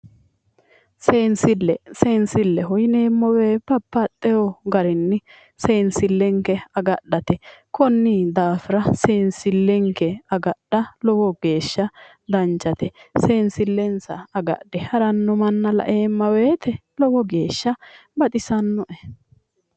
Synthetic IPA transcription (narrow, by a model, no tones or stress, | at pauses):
seːnsɪlːɛseːnsɪlːɛɦɔjne̞ːmːɔweːpɐpːɐt̪ʼːɛjɔɡɐɾɪnːɪ | se̞ːnsɪlːɛŋkɛɐɡɐɗːɐt̪ɛkɔnːɪd̪aːfɪɾɐseːnsɪlːɛŋkɛɐɡɐɗɐlɔwɔɡe̞ːʃːɐ | d̪ɐnt͡ʃːɐt̪ɛse̞ːnsɪlːɛnsɐ̰ːɡɐ̰d̥ɛhɐɾɐnːɔmɐnːɐlɐ̰ʔe̞ːmːɐweːt̪ɛlɔwɔɡeːʃːɐbɐt̪ʼɪsɐnːɔʔɛ